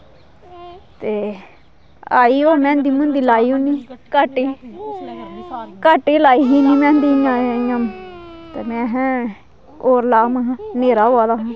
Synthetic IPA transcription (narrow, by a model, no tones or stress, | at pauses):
t̪eː | aːiːoːmɛ̃ːnd̪iːmʊ̃nd̪iːlaːiːũːniːkaʈːiː | kaʈːiːlaːiːɦiːniːmɛ̃ːnd̪iːɲããːmt̪eːmɛ̃ːɦɛ̃ː | oːɾlaːmaɦãneːɾaːoaːd̪aːɦãː